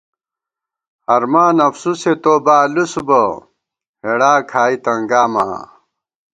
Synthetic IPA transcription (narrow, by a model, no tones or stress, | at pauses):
ɐɾmaːnɐfsuset̪oːbaːlusubɐ | heɽaːkʰaːit̪ɐŋɡaːma̰ː